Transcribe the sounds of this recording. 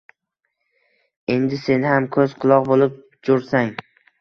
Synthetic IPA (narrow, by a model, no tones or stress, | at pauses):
e̞nd̪ɪse̞nhamkʰɵzqʰʊlˠɒqbolɪp̚ | d͡ʒoɾsaŋ